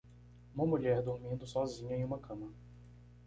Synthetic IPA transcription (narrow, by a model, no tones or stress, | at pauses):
ũmɐmuʎɛɾd̪ʊɾmĩnd̪ʊsɔzĩɲɐẽj̃ũmɐkʰɐ̃mɐ